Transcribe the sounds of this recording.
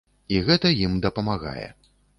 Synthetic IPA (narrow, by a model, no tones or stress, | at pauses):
iɣɛt̪ɐjimd̪ɐpɐmaɣa̰jɛ̰